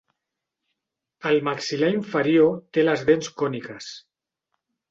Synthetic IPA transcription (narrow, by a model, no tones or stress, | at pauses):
əlmaksilaiɱfəɾiot̪eləzðenskɔnikəs